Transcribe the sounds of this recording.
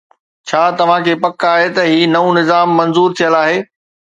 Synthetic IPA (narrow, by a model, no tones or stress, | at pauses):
t͡ɕʰaːt̪ɐʋ̤ãkʰeːpɐkaːɦet̪ɐɦiːnɐũnɪzaːmːɐ̃nzuːɾt̪ʰijəlaːɦeː